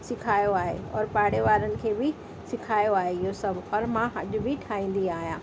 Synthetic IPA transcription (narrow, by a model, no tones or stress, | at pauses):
sɪkʰaːjoaːɦḛɔ̰ːɾpaːɽeʋaːɾənɪ̆kʰeːbɪ | sɪkʰaːjoaːɦeɪɦosɐbʱɔːɾmãɦɐʄʊ̆bɪʈʰaːĩːn̆d̪iaːɦijãː